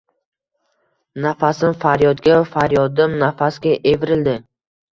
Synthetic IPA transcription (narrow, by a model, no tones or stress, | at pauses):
nafasɪnfaɾjɒd̪ɡʲafaɾjɒd̪ɪmnafasɡʲaʔevɪɾɪld̪ɪ